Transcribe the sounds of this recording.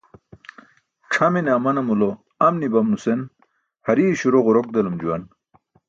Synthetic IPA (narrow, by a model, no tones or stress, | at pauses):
ʈ͡ʂʰɐmeneɐmɐnɐmulo | ɐmnibɐmnusen | hɐɾiːɕuɾoʁoɾok̚d̪ɐlumd͡ʑuwɐn